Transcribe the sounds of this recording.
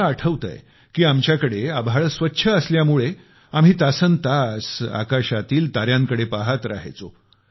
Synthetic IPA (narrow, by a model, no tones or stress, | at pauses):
əʈʰəʋt̪ə̰j | kiːamt͡ɕjakəɽeabʱaɭəsʋətːɕʰəːsljamuɭe | am̤iːt̪asənt̪asa̰kaɕat̪iːlt̪aɾjãŋkəɽepaɦat̪ɾa̰ɦt͡so